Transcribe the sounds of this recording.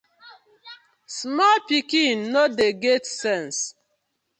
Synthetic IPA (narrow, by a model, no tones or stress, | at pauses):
smɔlpikinːodeɡetsɛ̃ns